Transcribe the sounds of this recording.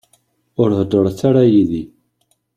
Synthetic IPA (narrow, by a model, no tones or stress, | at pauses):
ʊɾhd̪əɾˤθːaɾajiði